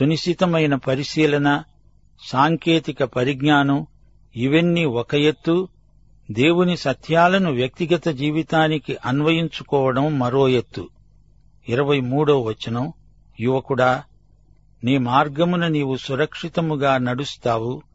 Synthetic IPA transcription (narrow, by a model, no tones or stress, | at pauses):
suniʃit̪ɐmɐjnɐpɐɾisiːlɐnɐ | saːŋkeːt̪ikɐpɐɾiɡnaːnɐm | iʋenːiɔkɐjet̪ːu | d̪e̞ːwunisɐt̪ʰjaːlɐnuʋjɐk̚t̪iɡɐt̪ɐd͡ʒiːʋit̪aːnikiʔɐnʋɐjiɲt͡ʃukɔːʋɐɽɐmːɐɾoːjet̪ːu | iɾɐʋɐjmuːɽoːʋɐt͡ʃːɐnɐm | jiʋɐkuɽaː | neːmaːɾɡɐmunɐniːwusuɾɐkʂit̪ɐmuɡaːnɐɽust̪aːwu